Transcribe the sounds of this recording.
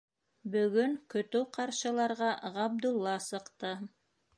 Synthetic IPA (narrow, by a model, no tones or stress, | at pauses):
bɵ̆ɡɵŋkɵ̆t̪ɵwqɑɾʃɤ̆lˠɑɾʁɑʁɑb̚d̪ulˠːɑsɤ̆qt̪ɤ